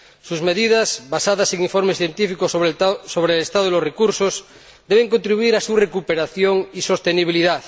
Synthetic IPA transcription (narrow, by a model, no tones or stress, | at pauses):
suzme̞ðiðasβasaðaseŋiɱfo̞ɾmeθje̞nt̪ifikossoβɾelest̪aðoilosrekuɾsos | d̪eβ̞eŋkont̪ɾiβuiɾasurekupeɾaθjoŋiso̞st̪eniβ̞iliðaθ